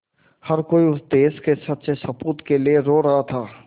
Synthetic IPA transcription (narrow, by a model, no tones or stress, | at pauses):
hɐɾkoːiʊd̪eːskesɐt̪ːsesɐpuːt̪kelieɾoːɾɐɦat̪ʰaː